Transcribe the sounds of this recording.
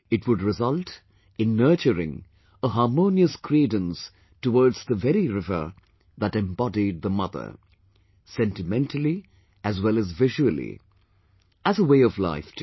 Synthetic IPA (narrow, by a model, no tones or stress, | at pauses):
ɨtʰwʊdɹɪzʌlˠt | ɨ̃nːɜ˞t͡ʃəɾɪ̰̃ŋ | əɦɑɹmõʊniəskʰɹidə̃ns | təwɔɹdz̥ðəvɛɾiɹɪvə̰˞ | ðəɾɛ̃mbɑdid̚ðəmʌðə̰˞ | sɛ̃ntɨmɛ̃ntʰəlˠi | ʔɨzwɛlˠəzvɪʒuəlḭ | ʔæzəweɪʌvla̰ɪft